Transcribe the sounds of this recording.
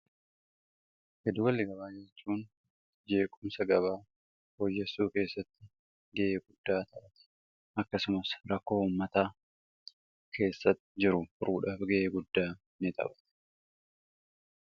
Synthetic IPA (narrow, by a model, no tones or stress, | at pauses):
hɛd̪ʊwɐlːɪɡɐbaːd͡ʒɛt͡ʃːuːn | d͡ʒe̞ːkʼʊmsɐɡɐβaː | boːjːɐsuːke̞ːsːɐt̪ːɪ | ɡɛʔeːɡʊd̪̥ːaːt̪ɐʔɐt̪ɛ̥ | ʔɐkːɐsʊmɐsɾɐkːo̞ːuːmːɐt̪aː | kʰe̞ːsːɐt̪ːɪd͡ʒɪɾʊʊɾuːᶑɐfɡɛʔeːɡʊd̪ːaː | nɪt̪ʼɐ̰bɐt̪ɛ̥